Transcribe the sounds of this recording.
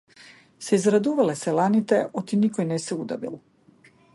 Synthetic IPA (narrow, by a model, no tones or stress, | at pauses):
seizɾad̪uʋaleselanit̪eʔot̪inikojneseud̪a̰bḭlo